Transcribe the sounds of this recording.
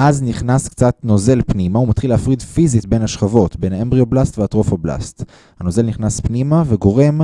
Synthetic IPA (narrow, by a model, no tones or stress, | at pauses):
ʔazniχnaskt͡satno̞ze̞lpnimaumat̪χileːfʁidfizitbe̞naʃχavo̞tbe̞naembʁioblastveatʁo̞fabla̰st | hano̞ze̞lniχnaspnimaveɡo̞ʁe̞m